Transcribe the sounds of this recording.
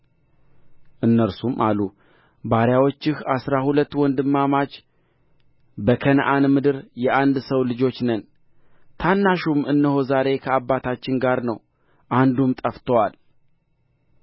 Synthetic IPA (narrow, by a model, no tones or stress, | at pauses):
ʔɨnːəɾsumʔalu | baɾjawot͡ʃːɪhasɾahulət̪ːwɔnd̪ɨmːamat͡ʃ | bəkʰənʔanmɨd̪ɨɾjɛʔand̪səwlɨd͡ʒo̞t͡ʃːnən | t̪ʰanːaʃumɨnːɨho̞zaɾe̞kʰəabːat̪ʰat͡ʃːɪnɡaɾnəw | ʔand̪umt̪ʼəft̪ʰəwal